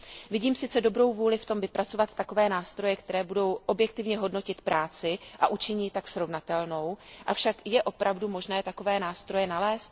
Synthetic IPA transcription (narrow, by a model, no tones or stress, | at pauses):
vɪɟiːmsɪt͡sɛdo̞bɾo̞wvuːlɪft̪o̞mvɪpɾat͡sovat̪ːako̞vɛːnaːst̪ɾo̞jɛkt̪ɛɾɛːbudo̞wʔo̞bjɛk̚t̪ɪvɲɛɦo̞dno̞cɪt̪pɾaːt͡sɪʔa̰ʔut͡ʃɪɲɪt̪ːaksɾo̞vnat̪ɛlno̞wʔafʃakjɛʔo̞pɾavdumo̞ʒnɛːt̪ako̞vɛːnaːst̪ɾo̞jɛnalɛːst̪̚